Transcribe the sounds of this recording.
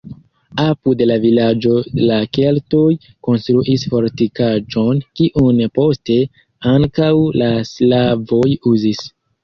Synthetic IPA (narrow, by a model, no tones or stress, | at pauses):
apude̞lavilad͡ʒo̞lake̞lto̞j | ko̞nstɾuʔisfo̞ɾtikad͡ʒo̞nkiʔunpo̞ste̞ | aŋkawlaslavojuzis